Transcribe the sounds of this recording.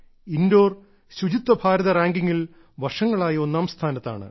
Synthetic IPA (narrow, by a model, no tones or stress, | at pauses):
indo̞ːr | ɕud͡ʑit̪ːɐbʱaːɾɐðɐraːŋɡiŋːil | ʋɐʂɐŋːɐɭaːjɐo̞nːaːmst̪ʰaːnɐt̪ːa̰ːɳɨ̰